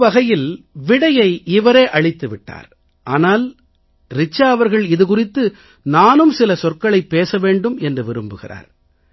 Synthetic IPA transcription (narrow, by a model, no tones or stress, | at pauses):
ʋɐɣɐjɪl | ʋɪɽɐjɐɪɪʋɐɾeːʔɐɭɪt̪ːɯʋɪʈːa̰ːɾ | ʔaːnaːl | ɾɪt͡ʃːaːɐʋɐɾɣɐɭɪðɯkʊrɪt̪ːɯ | naːnɯmsɪlɐsɔrkɐɭɐɪpːeːsɐʋeːɳɖɯmɛndrɯʋɪɾɯmbɯɣɪ̰ra̰ːɾ